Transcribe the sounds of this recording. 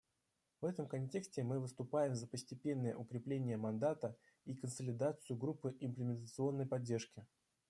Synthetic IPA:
vɛt̪əmkɐnʲtʲe̞ksʲtʲɪmɨvɨst̪ʊpajɪmzəpəsʲtʲɪpʲe̞nːəjə̰ʔʊkɾʲɪplʲenʲɪjəmɐnd̪at̪ə | ikənsəlʲɪd̪at̪sɨjʊɡɾupːɨʔɪmplʲɪmʲɪnt̪ət̪sɨo̞nːəjpɐdʲːe̞rʂkʲɪ

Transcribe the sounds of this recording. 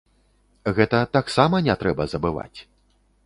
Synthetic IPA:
ɣɛt̪ɐt̪aksamɐnʲɛt̪ɾɛbɐzɐbɨva̰t͡sʲ

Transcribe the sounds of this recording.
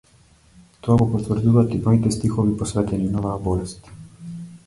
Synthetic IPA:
t̪ɔaɡɔpɔt̪vr̩d̪uvat̪imɔit̪ɛst̪ixɔvipɔsvɛt̪ɛninɔvabɔlɛst̪

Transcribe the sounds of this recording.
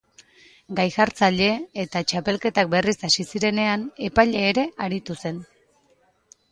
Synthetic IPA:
ɡajxaɾt͡saʎe̞et̪at͡ʃape̞lke̞t̪ak̚be̞risasisiɾe̞ne̞ane̞paʎe̞ːɾe̞ʔaɾit̪use̞n

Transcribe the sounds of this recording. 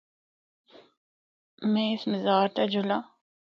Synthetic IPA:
mɛ̃ɪsmɪzaːɾt̪ad͡ʒʱʊlaː

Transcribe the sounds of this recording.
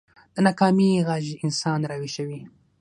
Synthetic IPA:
d̪̥ənɑkɑmiɣɑʒiɪnsɑnɾawiʃəwi

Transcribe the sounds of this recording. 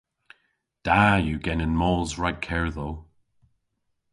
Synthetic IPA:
d̥ajəɡɛnɪ̃nmɔlˠzɹad̚kʰɛɹðoː

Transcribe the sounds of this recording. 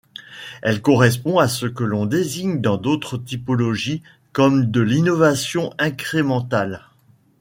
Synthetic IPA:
ɛlkɔʁɛs̬pɔ̃asəkəlɔ̃d̪eziɲd̪ɑ̃d̪ot̪χət̪ipɔlɔʒi | kɔmd̪əlinɔvasjɔ̃ʔɛ̃kχemɑ̃t̪al

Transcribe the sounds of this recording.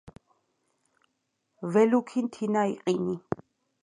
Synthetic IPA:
vɛlukʰint̪ʰinaiqʼini

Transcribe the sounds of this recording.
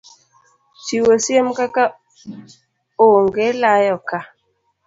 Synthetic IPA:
t͡ʃiwəsiemkaka | oŋɡelajɔka

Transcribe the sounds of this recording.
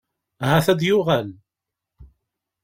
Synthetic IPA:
hæθæd̪jʊʁæl

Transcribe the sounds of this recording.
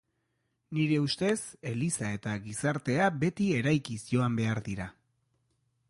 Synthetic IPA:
niɾe̞ust̪e̞se̞lisae̞t̪aɣisaɾt̪e̞abe̞t̪ie̞ɾajkisio̞ambe̞aɾðiɾa

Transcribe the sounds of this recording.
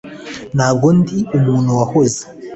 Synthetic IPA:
naɡondiumuːn̤uwahoze̥

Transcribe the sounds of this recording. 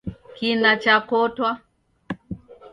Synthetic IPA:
kinat͡ʃakɔtwa

